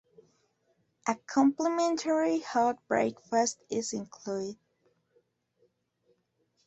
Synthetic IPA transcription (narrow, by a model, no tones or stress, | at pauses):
ʔəkʰɑ̃mpləmɛ̃ntʰəɹihɑd̚bɹḛɪkfəstɪzɪ̃nkʰl̥udɪd̥̚